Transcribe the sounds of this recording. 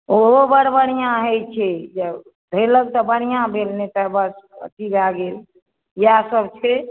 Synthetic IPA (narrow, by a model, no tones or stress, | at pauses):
oɦobəɾbəñijãɦəjt͡ʃʰɛd͡ʒəb | d̪ʱeləɡ̚t̪ɔbənijãbʱelnet̪əbəsə̰t̪ibaɡel | jasəbt͡ʃʰɛ